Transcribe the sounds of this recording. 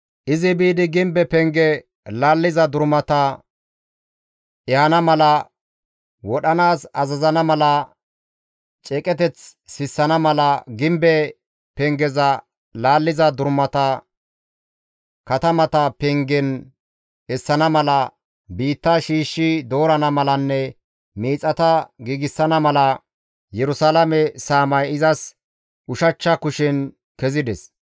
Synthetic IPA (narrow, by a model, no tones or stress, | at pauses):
ʔɪzɪbiːd̪ɪɡɪmbɛpɛŋɡɛ | laːlːɪzɐd̪ʊɾmɐt̪ɐ | ʔɛɐnɐmɐlɐ | wɔɗɐnaːsɐzɐzɐnɐmɐlɐ | t͡ʃʼɛkʼɛt̪ɛt͡ssɪsːɐnɐmɐlɐɡɪmbɛ | pɛŋɡɛzɐ | laːlːɪzɐd̪ʊɾmɐt̪ɐ | kɐt̪ɐmɐt̪ɐpɛŋɡɛn | ɛsːɐnɐmɐlɐ | biːt̪ːɐʃiːʃːɪd̪o̞ːɾɐnɐmɐlɐnːɛ | miːt͡sʼːɐt̪ɐɡiːɡɪsːɐnɐmɐlɐ | jɛɾʊsaːlɐmɛsaːmɐjɪzɐs | ʊʃɐt͡ʃːɐkʊʃɪn | kɛzɪd̪ɛs